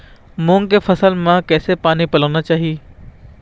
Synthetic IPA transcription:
mʊ̃ːŋkefʰɐsəlmãkɛːsepaːnipɐlaːnat͡ɕaːɦi

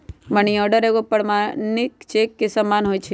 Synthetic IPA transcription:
məɳ̃iəɖəɾeɡopəɽmãnɪkt͡ʃekːesəmanɦojt͡ʃʰe

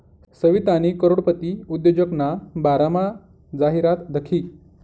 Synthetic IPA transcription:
səʋit̪añikəɾoɽpət̪iːud̪jod͡ʑəknabaɾama | d͡zaɦiɾat̪d̪əkʰiː

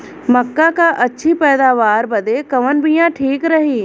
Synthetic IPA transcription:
mɐkːakaʔɐtːʃʰipɛːd̪aːʋaːɾbɐd̪ekɐʋənbʱijãʈʰiːkɾɐɦiː

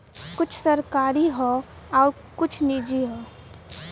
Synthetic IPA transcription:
kʊt͡ʃʰsəɾkaːɾiɦoː | ɔːɾ | kʊt͡ʃʰnid͡ʒiɦoː

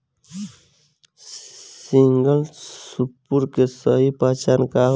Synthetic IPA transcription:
siŋɡəlsupːuɾkesəɦipaːt͡ʃanka

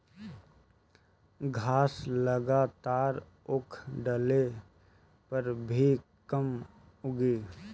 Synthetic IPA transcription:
ɡʱaːsləɡaːt̪aːɾ | ʊkʰɖəle | pəɾbʱikəm | ʊɡiː

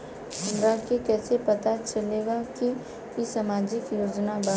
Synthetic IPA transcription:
hə̃nɾakikɛːsepɐt̪at͡ʃɐleːɡaki | isamaːd͡ʒɪkjoːd͡ʒnaba

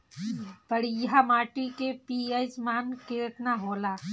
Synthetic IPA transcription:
pəɽijɦamaːʈikepiesmaːnket̪naɦoːla

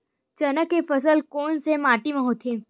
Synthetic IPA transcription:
t͡ʃɐnəkːefəs̬əlkoːnsemaːʈimẽɦoːt̪ʰeː

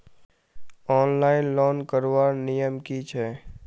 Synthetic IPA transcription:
ɔːnlaːɪnlɔːnkəɾwaːɾnijəmkit͡ʃʰɛː

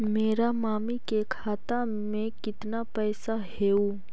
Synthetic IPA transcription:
meːɾamaːmikekʰaːt̪a | mẽkɪt̪napɛːsaɦeːu

